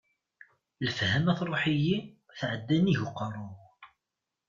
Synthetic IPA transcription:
ləfhæmæθɾˤoħiji | θʕəd̪ːæniʝʊqːərˤʊ

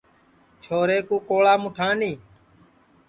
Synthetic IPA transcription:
t͡ʃʰoːɾeːkũːkoːɭaːmʊʈʰãːniː

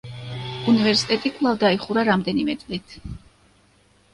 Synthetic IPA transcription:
univɛɾsi̥t̪ʼɛt̪ʼikʼvlˠavd̪aiχuɾaɾamd̪ɛnimɛt̪sʼlit̪ʰ

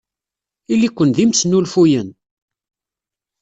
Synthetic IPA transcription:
ilːikʷːənðimsnulfujən

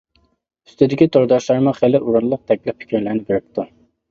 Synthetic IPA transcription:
y̥st̪ʰɪd̪ɪkʲit̪ʰoɾd̪ɑʃlˠɑɾmɑχelɪʔuɾunlˠʊq̚t̪ʰɛk̚ʲlɪpʰɪ̥kʲʰiɾlɪɾnɪbeɾɪp̚t̪ʰu

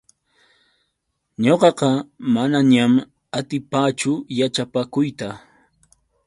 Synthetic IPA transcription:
ɲoqɑqɑmanaɲam | at̪ɪpaːt͡ʃʊjat͡ʃapakʊjt̪a

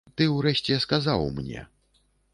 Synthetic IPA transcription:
t̪ɨwɾɛʃt͡sʲɛskazawmnʲɛ̰

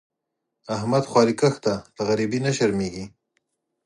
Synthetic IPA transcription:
ahmad̪xwɑɾikəxt̪aləɣaɾibinaʃaɾmeɡi

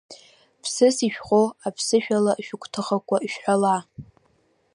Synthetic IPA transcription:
pʰsɨsiʃᶣχʼoapʰsɨʃᶣalaʃᶣʊkʷʼʰtʰɨχakʷʼaiʃᶣħʷala

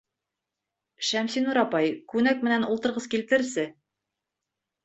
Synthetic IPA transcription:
ʃæmsinuɾɑpɑjkʉnæk̚mɘ̆nænulˠt̪ɤ̆ɾʁɤzkilt̪ɘ̆ɾsɘ

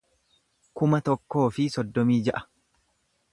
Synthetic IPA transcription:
kʊmɐt̪ɔkːo̞ːfɪsɔd̪ːɔmiːd͡ʒɐʔɐ̥

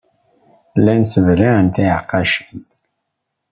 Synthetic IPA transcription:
lænsəvɾæʕənt̪æqːɑʃə̥n

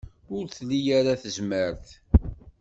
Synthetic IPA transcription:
ʊɾθlːijaɾaθəzməɾθ

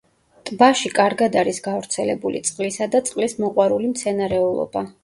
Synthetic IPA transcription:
t̪ʼbaʃikʼaɾɡad̪aɾisɡavɾt̪sʰɛlɛbulḭt̪sʼqʼlisad̪at̪sʼqʼlismɔqʼwaɾulimt̪sʰɛnaɾɛulˠɔ̰b̥a

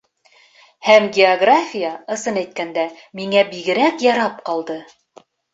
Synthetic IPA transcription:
hæmɡʲeoɡrafʲijaɤ̆sɤnæjt̪̚kænd̪æ | miŋæbiɡɘ̆ɾækjɑɾɑp̚qɑlˠd̪ɤ

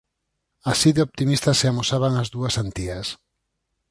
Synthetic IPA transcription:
asiðeop̚t̪imist̪aseamosaβaŋazðuɐsant̪iɐs

